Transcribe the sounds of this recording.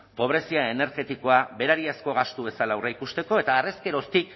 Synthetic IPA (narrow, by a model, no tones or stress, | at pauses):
po̞β̞ɾe̞siaene̞ɾɣe̞t̪iko̞aβe̞ɾaɾiasko̞ɣast̪uβe̞salawreikust̪eko̞e̞t̪aːre̞ske̞ɾo̞st̪ik